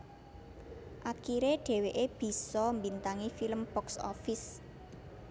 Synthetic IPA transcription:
ʔakiɾeɖ̥e̤weʔeb̥i̤sɔmbint̪aŋifiləmpɔksɔ̰fɪs

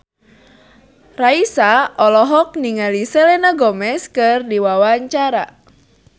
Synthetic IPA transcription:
raisaʔɔlɔɦɔk̚niŋalisɛlɛnaɡɔmɛskɨrdiwawaɲt͡ʃaɾa̰

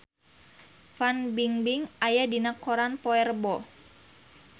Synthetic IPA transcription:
fanbiŋbiŋʔajadinakoɾanpɔɛrbɔ

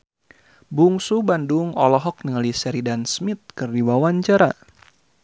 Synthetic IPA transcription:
buŋsubanduŋɔlɔɦɔk̚nəŋəlisɛɾidansmit̪̚kɨrdiwawaɲt͡ʃaɾa

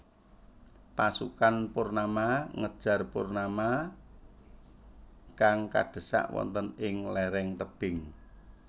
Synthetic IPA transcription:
pasukanpʊrnamaŋəd̥ʒ̥a̤rpʊrnama | kaŋka̰ɖ̥ə̤sa̰ʔwɔ̰nt̪ənɪŋlɛɾɛŋt̪əb̥ɪŋ

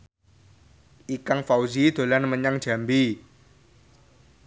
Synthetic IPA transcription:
ʔikaŋfauzid̪̥o̤lanməɲaŋ̥d͡ʒ̥a̤mbi

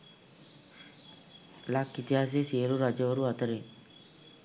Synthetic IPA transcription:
lakːit̪iɦaːs̬esiəɾuɾad͡ʒəʋəɾuat̪əɾe

